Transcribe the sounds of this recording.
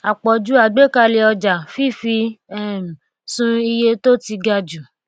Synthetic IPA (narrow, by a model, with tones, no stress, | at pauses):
a˨k͡pɔ˨d͡ʒu˨˦a˦˨ɡ͡be˦˨ka˧le˧ɔ˧d͡ʒa˨fi˦˨fi˧ɛ˦˨ | sũ˦i˧je˧to˦ti˧ɡa˧d͡ʒu˨